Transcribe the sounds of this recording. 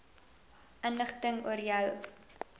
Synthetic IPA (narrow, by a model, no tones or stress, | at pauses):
ʔənləχtəŋuərjœw